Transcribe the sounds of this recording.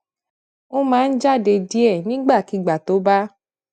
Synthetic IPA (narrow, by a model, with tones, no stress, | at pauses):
o˦mãː˦n̩˦d͡ʒa˦˨de˧di˦ɛ˦˨nĩ˦ɡ͡ba˦˨ki˨˦˨ɡ͡ba˨to˨˦ba˦